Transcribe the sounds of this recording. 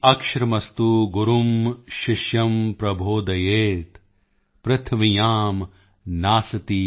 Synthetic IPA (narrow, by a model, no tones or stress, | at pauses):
ɐkʃɾɐmɐst̪uːɡuɾumʃiʃjɐmpɾɐbʱoːd̪ɐjeːt̪ | pɾɐt̪ʰɐmijaːm | naːsɐt̪i